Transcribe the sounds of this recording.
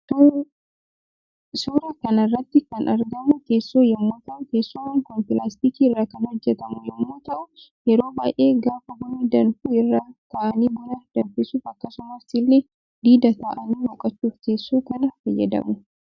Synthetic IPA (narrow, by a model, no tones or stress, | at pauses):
suːɾɐkɐnɐrːɐt̪ːɪkɐnɐɾɡɐmʊke̞ːsːoːjɛmːoːt̪ɐʔʊkeːsːʊmɐŋkɔmpɪlaːst̪ikiːɪrːaːkɐnhɔd͡ʒːɛt̪ɐmʊjɛmːoːt̪ɐʔʊ | jɛɾoːbaːʔe̞ːɡaːfɐɡɔniːd̪ɐnfuːɪrːaːt̪aːʔɐniːbɔnɐd̪̥ɐnfɪsuːfɐkːɐsʊmɐsɪlːeː | d̪iːd̪ɐt̪aːʔɐniːwɔkʼɐt͡ʃːuːfkeːsːoːkɐnɐfɐjːɐ̰d̪ɐ̰mʊ